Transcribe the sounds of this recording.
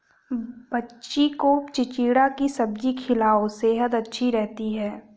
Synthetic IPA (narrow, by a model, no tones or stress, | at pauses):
bɐtːʃikot͡ʃɪt͡ʃiːɽakisɐb̚d͡ʒikʰɪlaːoseɦət̪ɐtːʃʰiɾɛɦt̪iɦɛː